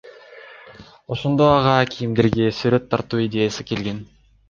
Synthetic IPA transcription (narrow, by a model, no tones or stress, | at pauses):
o̞ʃo̞nd̪o̞ɑʁɑkʰʲijimd̪eɾɡʲesyɾø̞t̪ʰːɑɾt̪uːid̪ʲe̞jasɨke̞lɡe̞n